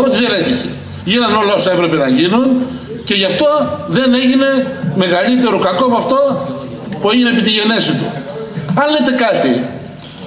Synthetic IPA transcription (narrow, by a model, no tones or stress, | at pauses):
ɾot̪iðe̞net̪içḛ | ʝinɐno̞lɐosɐepɾe̞pe̞nɐʝinun | ce̞ʝɐft̪o̞ðe̞ne̞ʝine̞me̞ɣɐʎit̪e̞ɾokɐkopoɐft̪o̞ | pue̞ʝine̞ːp̬it̪iʝe̞ne̞sit̪ṵ | ɐnlet̪e̞kɐt̪i